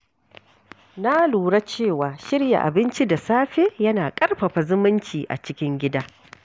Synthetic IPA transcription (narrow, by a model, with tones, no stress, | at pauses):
na˦luː˨ɽa˦t͡ʃeː˦˨waː˨ʃɪ˦ɽja̰˨ʔa̰˨bɪ˦nt͡ʃi˦da˨saː˦ɸe˦jɐ˦naː˨kʼɐ˦rɸɐ˨ɸa˨zʊ˦mʊ˦nt͡ʃiː˨ʔa̰˨t͡ʃɪ˦kʲɪ˦ŋɡʲɪ˦daː˦